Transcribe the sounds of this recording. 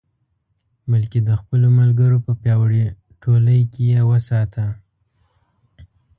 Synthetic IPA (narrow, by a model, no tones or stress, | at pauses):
mʊlkid̪əxpəlomalɡəɾopəpjɑwɽi | ʈʰoləjkejewəsɑt̪ʰa